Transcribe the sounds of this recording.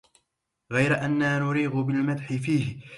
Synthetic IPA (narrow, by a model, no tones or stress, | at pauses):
ɣajɾaʔanːaːnʊɾiːɣʊbɪlmad̪ħɪfiːhɪ